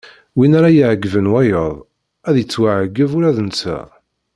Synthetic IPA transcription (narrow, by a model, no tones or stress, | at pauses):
winæɾajiʕəɡvənwæjəðˤ | æðjət͡sːwaʕəɡːəvuɾæðənt͡sːæ̰